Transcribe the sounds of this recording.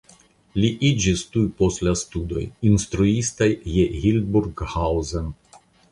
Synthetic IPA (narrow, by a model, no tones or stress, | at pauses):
liʔid͡ʒistujpo̞stlastudo̞̰jinst̪ɾuistajːehilbuɾɡhawzen